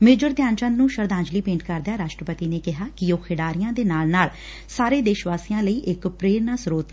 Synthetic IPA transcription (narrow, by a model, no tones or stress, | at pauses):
meːd͡ʒəɾd̪jaːnt͡ʃə̃nnũːʃəɾd̪ãːɲd͡ʒliːpẽːɳʈkəɾd̪jaːɾaːʃʈɾəpət̪iːneːkɪɦaːkɪjoːkʰeɖaːɾɪjãːd̪eːnaːlnaːl | saːɾeːd̪eːʃʋaːsijãːləiːʔɪkpɾeːɾnaːsɾoːt̪